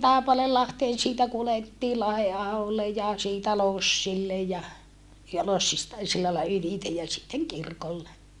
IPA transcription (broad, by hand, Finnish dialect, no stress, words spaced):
tɑˑepɑleːlːɑhteːn siːtæ kuletːiː lɑheɑholːe jɑ siːtæ losːilːe jɑ jɑ losːistɑ silːɑilːɑ ylitej jɑ sitːeŋ kirkolːe